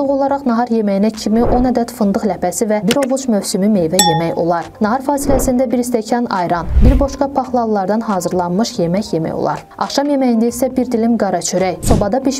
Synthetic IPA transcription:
oʁo̞lˠɑɾɑχnɑɦɑɾje̞mæjinæcʰimiʔo̞næd̪æt̪fɯnd̪ɯχlæpʰæsivæbiɾo̞vut͡ʃmøvsymyme̞jvæje̞mæjo̞̰lˠɑɾnɑɦɑɾfɑːsilæsind̪æbiɾist̪æcʰɑnɑjɾɑnbiɾbo̞ʃkɑpʰɑχlˠɑlˠlːˠɑɾd̪ɑnɦɑːzɯɾlˠɑnmɯʃje̞mæçje̞mæ̰jo̞̰lˠɑ̰ɾ | ɑχʃɑmje̞mæjind̪æisæbiɾd̪ilimɡɑɾɑt͡ʃʰyɾæjso̞bɑd̪ɑbiʃ

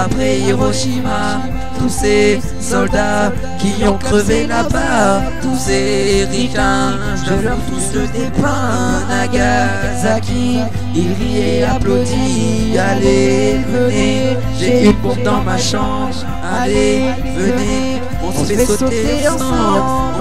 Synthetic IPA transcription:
apχɛeʁɔʃima | t̪use | sɔld̪a | kʲiɔ̃kχəvelaba | t̪use | ʁivã | əlɔt̪uəd̪epɛ̃ | naɡa | zaki | iʁijɛaplod̪i | alevəne | ʒeyɔ̃d̪ɑ̃maʃɑ̃bʁ | ale | vəne | ɔ̃sfɛsot̪ | s

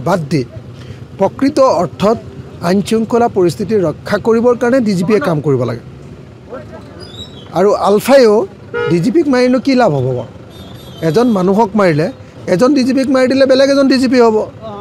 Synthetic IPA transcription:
badːi | pɹɔkɹitɔɔɹtʰɔtaɲtʰiuŋkʰolapoɹist̪ʰitiɹɔkʰːakoɹibɔɹkaɹɔnɛdizipiɛkamkoɹibɔla̰ɡɛ̰ | aɹuʔalpʰajo | dizipikmajinʊkilabʱɦɔbɔbɔ̰ | ɛzɔnmanuɦɔk̚maɹilɛ | ɛzɔndizip̬ik̚maɹidilɛbɛlɛɡɛzɔndizip̬iɦobɔ

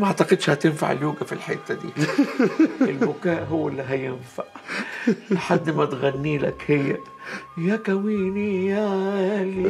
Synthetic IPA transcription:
maʕt̪aqɪd̪ʃhat̪ɪnfa̰ʕɪ̰ljuːɡafilħɪt̪ːad̪ḭː | ɪlbʊkaːʔɦʊwːɪlːiɦajɪnfaʕ | lħad̪ːmat̪ɣanːiːla̰khɪjːa | jakawiːnijal

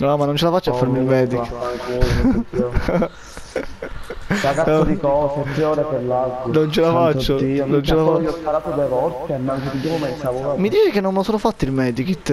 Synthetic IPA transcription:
ɔmanːont͡ʃelafat͡ʃːafːaɾmilmɛːd̪iaŋkil | dakaod̪ikɔːset̪ːɾeɔːɾepeɾlalɡnont͡ʃelafatt͡ʃːoinont͡ʃelafat͡ʃːɔspaɾaːt̪od̪evɔlt̪emːaŋkeid̪imomɛjnsavoamːid̪iːt͡ʃekenːonmlsoːnofat̪ːilmɛːd̪ikit̪ː

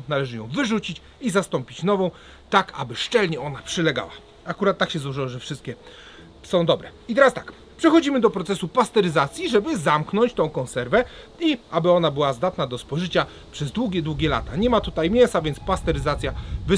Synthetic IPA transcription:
nalɛʐɘjɔ̃w̃vɘʐut͡ɕit͡ɕ | izast̪ɔmpʲit͡ɕnɔvɔ̃w̃ | t̪aka̰bɘʂt͡ʂɛlɲɛɔnapʂɘlɛɡa̰wa | akuɾat̪ːakɕɛzwɔʐɘwɔʐɛfʂɘst̪̚kʲɛ | sɔ̃w̃d̪ɔbɾɛit̪ɛɾast̪ak | pʂɛxɔd͡ʑimɘd̪ɔpɾɔt̪sɛsupast̪ɛɾɘzat̪sʲjiʐɛbɘzamknɔɲt͡ɕt̪ɔ̃w̃kɔ̃ñsɛɾvɛ | iabɘɔnabɘwazd̪at̪nad̪ɔspɔʐɘt͡ɕa | pʂɛzd̪wuɡʲɛd̪wuɡʲɛla̰t̪aɲɛmat̪ut̪ajmʲjɛsavʲjɛnt̪spast̪ɛɾɘzat̪sʲjavɘ

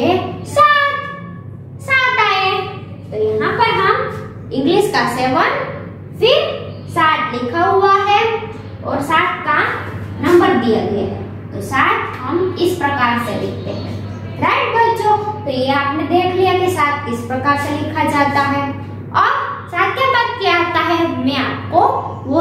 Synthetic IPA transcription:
esaːt̪ | saːt̪aːẽ | t̪ojɐɦãpəɾɦɐm | ɪ̃ŋɡlɪʃkaseːʋən | fɪɾ | saːt̪ʰlɪkʰaɦuaɦɛ | ɔ̰ːɾsaːt̪̚ʰkaːmnɐ̃mbəɾd̪ija̰ɡḛɦɛ̰̃ː | t̪osaːt̪ʰɦɐmɪspɾɐkaːɾselɪkʰt̪eɦɛ̰̃ː | ɾaɪʈbət͡ʃot̪ojeaːpnẽd̪eːkʰlijakesaːt̪̚ʰɪspɾɐkaːɾselɪkʰad͡ʒaːt̪aɦɛ | ɔːɾ | saːt̪̚kjabat̪̚keaːt̪aɦɛɦmẽaːp̚ko | ʋo

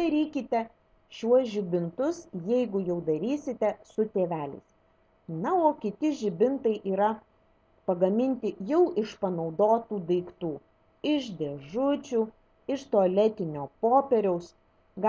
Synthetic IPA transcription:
ɐɾʲiːkʲɪt̪ʲɛ | ʃʲuɔsʒʲɪbʲɪnt̪ʊsjɛɪɡʊjɛʊd̪ɐɾʲiːsʲɪt̪ʲɛsʊt̪ʲeːʋʲæːlʲɛ̰ɪs | nɐoːkʲɪt̪ʲɪʒʲɪbʲɪnt̪ɐɪʔiːɾɐ | pɐɡɐmʲɪnʲt̪ʲɪjɛʊʔɪʃpɐnɒʊd̪oːt̪uːd̪ɐɪkt̪uː | ɪʃd̪ʲeʒʊt͡ʃʲuː | ɪʃt̪oːɐlʲɛt̪ʲɪnʲoːpoːpʲɛɾʲɛʊs | ɡ

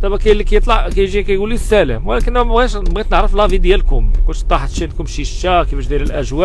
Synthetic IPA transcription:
t̪ˤɑbækæjlːikæjət̪ˤlɑʕkæjʒikæjɡulːisːælə̰mwlækənːmæɣæʃbit̪nəʕɾəflævid̪jælkʊmkʊnʃt̪ːˤɑħt̪ʃit̪kʊmʃiʃækifæʃd̪jæɾəlʔæʒwæʔ

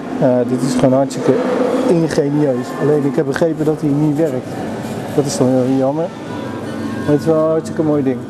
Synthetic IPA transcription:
adɪtɪsfroːnajsəkəinχeːniøːsaleːnɪkhɛp̚bəχrejpədɔtiniʋɛrk̚t | d̥ɔtɪsɔɪjɔmər | maɪtɪsɛlˠɔstəkənmojdɪŋ

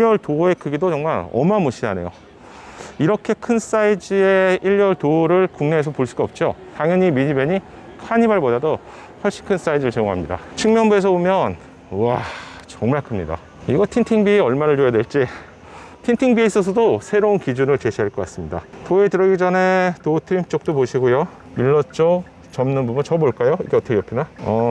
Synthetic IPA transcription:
ʎjʌɭtoe̞kʰɯɡidot͡ɕʌŋmaɾʌ̰mamoɕʰia̰ne̞̰jo̰ | iɾʌkʰe̞kʰɯns͈aid͡ʑɯeiʎːʌɭtoɾɯɭkuŋne̞esʰʌpoɭs͈uɡaʌp̚t͡ɕ͈otaŋjʌɲimiɲibe̞ɲi | kʰaɲibaɭbodado | hwʌɭɕ͈i̥nkʰɯns͈aid͡ʑɯɾɯɭt͡ɕeɡoŋɦamɲida̰t͡ɕʰɯŋmjʌnbue̞sʰʌbomjʌn | wat͡ɕʌŋmaɭkʰɯmɲida̰ | iɡʌtʰintʰiŋbiʌɭmaɾɯɭt͡ɕojadwe̞ɭt͡ɕ͈i | tʰintʰiŋbieis͈ʌs̬ʰʌdosʰe̞ɾounkid͡ʑunɯɭt͡ɕe̞ɕʰiɦaɭk͈ʌk͈as͈ɯmɲida̰toe̞tɯɾʌɡid͡ʑʌne̞totʰɯɾimt͡ɕ͈ok̚t͈opoɕʰiɡojo | miɭːʌt̚t͡ɕ͈o | t͡ɕʌmnɯnbubɯnt͡ɕʌboɭk͈ajoiɡe̞ʌt͈ʰʌkʰejʌpʰinaʌ

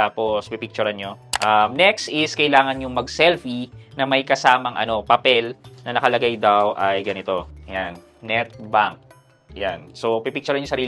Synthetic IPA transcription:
aːpospipɪk̚t͡ʃʊɾɐnɲo̞ʔɐmnɛkst̪ɪskɐʔɪlaːŋɐnɲʊŋmɐɡ̚sɛlfinɐmɐjkɐsaːmɐŋʔɐ̰no̞pɐpɛlnɐnɐkɐlɐɡajd̪awʔɐjɡɐnɪt̪o̞jan | nɛt̪̚baŋk̚ | janso̞pipik̚t͡ʃʊɾɐnɲosɐɾiːl

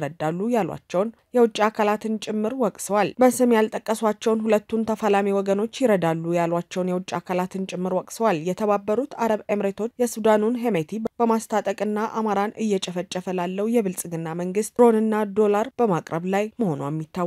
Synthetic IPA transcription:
ɾəd̪alːujalwa̰t͡ʃːɛwn | jɛwʊt͡ʃʼːakʰalat̪ʰɨnt͡ʃʼɪmːɨɾwɔkʼsəwalbəsɨmjalt̪ʼəkʼːəswat͡ʃːɛwnhulət̪ːunt̪ʰəfalamiwɔɡəno̞t͡ʃːjɪɾəd̪alːujalwat͡ʃːɛwnjɛwʊt͡ʃʼakʰalat̪ɨnt͡ʃʼɪmːɨɾwɔkʼsəwaljɛt̪ʰəβabːəɾut̪aɾəβemɾet̪ʰo̞t͡ʃːjɛsud̪anunɦemet̪ʰibb̥əmast̪ʰat̪ʼəkʼɨnːaʔamaɾanɨjːɛt͡ʃʼɛfət͡ʃʼːɛfəlalːəhujɛβɨlsʼɡɨnːaməŋɡɨst̪ʼɾo̞nɨnːad̪o̞laɾb̥əmakʼɾəβlajməho̞nuɛmːit̪ːaw

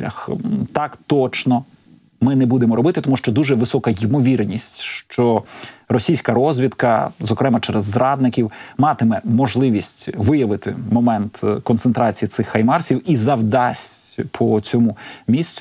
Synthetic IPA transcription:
ɐ̰xt̪ɑkt̪ɔt͡ʃnɔ | mɪnɛbud̪emɔɾɔbɪt̪ɪt̪ɔmuʃt͡ʃɔd̪uʒɛʋɪsɔkɐjɪmɔʋʲirnʲisʲtʲʃt͡ʃɔrɔsʲijsʲkɐɾɔzʲʋʲid̪kɐzɔkɾɛmɐt͡ʃɛɾɛzːɾɑd̪nɪkʲiwmɑt̪ɪmɛmɔʒlˠɪʋʲisʲtʲʋɪjɐʋɪt̪ɪmɔmɛnt̪kɔnsent̪ɾɑt͡sʲijisɪxːɐjmɑrsʲiwizɐwd̪ɑsʲtʲpʰɔt͡sʲɔmumʲisʲt͡sʲ

